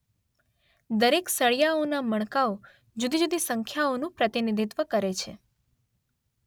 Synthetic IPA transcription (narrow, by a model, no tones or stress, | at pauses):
d̪əɾeksəɭjaonaməɳkao | d͡ʒud̪id͡ʒud̪isəŋkʰjaonũpɾət̪inid̪ʱit̪ʋəkəɾet͡ʃʰe